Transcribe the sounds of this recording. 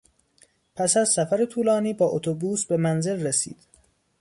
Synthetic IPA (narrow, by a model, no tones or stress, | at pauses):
pʰæsæzsæfæɾet̪ʰuːlɒːniːbɒːʔot̪ʰobuːsbe̞mænze̞lresḭːd̪̥